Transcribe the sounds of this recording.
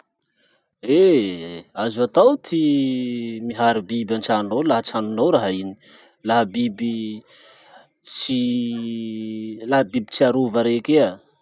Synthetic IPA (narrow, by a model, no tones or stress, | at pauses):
e | azuat̪awt̪ʰi | miɦaɾibibant͡ʃanunowlaɦət͡sanunawɾaɦaini | laɦabibi | t͡si | laɦabibi̥t͡siaɾuvaɾekea